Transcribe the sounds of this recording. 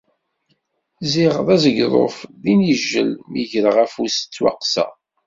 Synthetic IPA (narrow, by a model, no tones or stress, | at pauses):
ziʁðˤæzəɡðˤo̰fðinjəʒːə̰lmiʝəɾəʁæfust͡sːwɑ̰qsæ̰